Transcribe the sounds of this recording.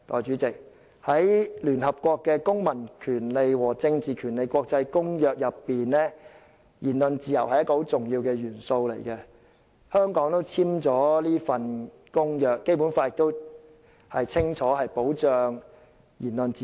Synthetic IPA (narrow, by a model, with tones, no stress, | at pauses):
t̪ɔː˨jt͡ʃy˨˥t͡sɪ˨k̚ | hɐ˨˥jlyː˨˩nɦɐ˨p̚kʷɔː˧kːɛː˧kʊ˥ŋmɐ˨˩nkʰyː˨˩nle˨jwɔː˨˩t͡sɪ˧ŋt͡siː˨kʰyː˨˩nle˨˧jkʷɔː˧k̚t͡sɐ˧jkʊ˥ŋjœː˨˧k̚jɐ˨pːiː˨nɛː˥ | jiː˨˩nlɵ˨˧nt͡siː˨jɐ˨˩whɐ˨jɐ˥tkɔː˥˧ho˨˥wt͡sʊ˨ŋjiː˧wkɛː˧ɥyː˨˩nso˧wlḛ˨˩jkɛ˧ | hœː˥ŋkɔː˨˥ŋt̪o˥wt͡sʰiː˥mt͡ʃɔː˨˥liː˥fɐ˧n | kʊ˥ŋjœː˨kːe˥jpu˨˥nfaː˧jɪ˨kt̪o˥w | hɐ˨jt͡sʰɪ˥ŋt͡ʃʰɔː˨˦˥hɐ˨jpo˨˥wt͡ʃœː˨ŋ | jiː˨˩nlɵ˨nt͡siː˨